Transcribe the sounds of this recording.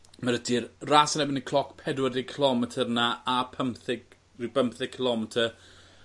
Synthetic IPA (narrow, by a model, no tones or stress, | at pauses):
maɾədɪrrasənɛbɪnəkʰlˠɔkʰpʰɛdwərɪkʰəlˠɔmɛtʰərnaapʰəmθɪɡ | rɪbəmθɪ̥kʰəlˠɔmɛtʰər